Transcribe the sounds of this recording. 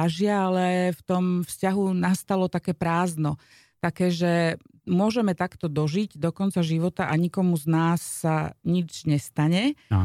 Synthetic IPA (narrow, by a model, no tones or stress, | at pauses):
aʒɪaalɛft̪ɔmfscaɦunast̪alɔt̪akɛːpɾaːznɔ | t̪akɛːʒɛ | mʊɔʒɛmɛt̪akt̪ɔd̪ɔʒiɟd̪ɔkɔnt͡saʒiʋɔt̪aʔaɲikɔmuznaːsːaɲid͡ʒɲɛst̪aɲɛ̰